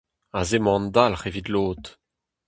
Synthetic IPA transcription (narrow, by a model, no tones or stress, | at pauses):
azemɑ̃nd̪alχevid̪loːt̪